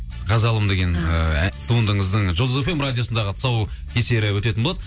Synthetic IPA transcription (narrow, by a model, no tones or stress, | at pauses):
ʁɑzɑlˠəmd̪e̞ɡʲe̞nət̪ʰuənd̪əɴəzd̪əɴʒozefemrad̪ʲijo̞sənd̪ɑʁət̪ʰsɑwkʲʰese̞ɾɪwɵt̪e̞t̪ɪnbolˠɑd̪